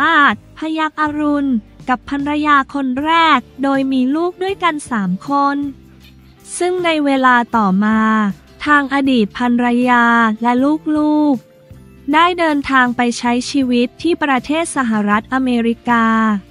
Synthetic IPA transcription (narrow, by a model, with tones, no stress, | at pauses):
aː˥˩t̪̚pʰa˧ja˦˥k̚ʔaː˧ɾu˧nka˨˩pʰːa˧nɾa˧jaː˧kʰo˧nɾɛː˥˩k̚doː˧jmiː˧luː˥˩k̚du˥˩əjka˧nsaː˩˦mkʰo˧n | sɯ˥˩ŋna˧jweː˧laː˧t̪ɔː˨˩maː˧ | t̪ʰaː˧ŋʔa˧diː˨˩t̪̚pʰa˧nɾa˧jaː˧lɛ˦˥luː˥˩k̚luː˥˩k̚ | daː˥˩jdɤː˧nt̪ʰaː˧ŋpa˧jt͡ɕʰa˦˥jt͡ɕʰiː˧wi˦˥t̪ʰːiː˥˩pɾa˧t̪ʰeː˥˩t̪̚sa˧ɦa˨˩ɾa˦˥t̪̚ʔa˧meː˧ɾi˦˥kaː˧